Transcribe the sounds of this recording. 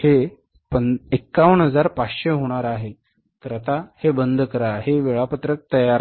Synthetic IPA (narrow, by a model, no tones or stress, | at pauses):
he | pənekːaʋəɳɦəd͡zaɾpat͡sɕeɦoɽ̃aɾaɦe | k̪ɾət̪ahebənd̪ʱkəɾaɦeʋeɭapət̪ɾək̚t̪əjaɾ